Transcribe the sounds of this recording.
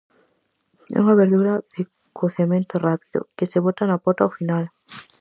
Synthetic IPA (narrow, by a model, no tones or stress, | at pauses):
ɛ̰uŋaβeɾðuɾaðe | koθamẽnt̪orapiðo̰keseβot̪anapot̪awfinal